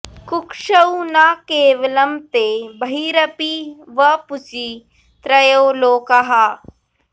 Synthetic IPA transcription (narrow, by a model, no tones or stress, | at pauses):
kʊkʃɐunaːkeːʋɐlɐmt̪eːbɐɦiːɾɐpiʋɐpʊt͡ʃi | t̪ɾɐjoːloːkɐɦaː